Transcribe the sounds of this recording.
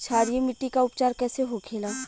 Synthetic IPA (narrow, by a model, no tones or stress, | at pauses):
t͡ʃʰaːɽijemɪʈːikaʊpt͡ʃaːɾkɛːseɦokʰeːlaː